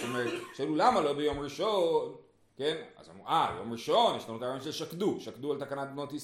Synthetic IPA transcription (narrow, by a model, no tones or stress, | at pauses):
tomeʁet̪ʃelulamalo̞bejo̞mʁiʃon | kena̰za̰muʔa̰jo̞̰mʁiʃo̞njeʃlanutaonʃelʃakduʃakdualt̪akanat̪̚bnotis